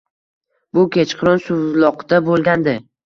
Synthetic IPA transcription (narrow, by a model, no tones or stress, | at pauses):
bʊkʲet͡ʃqʰɨɾɔnsʊvlˠɒqd̪̥abolˠɡʲand̪ɪ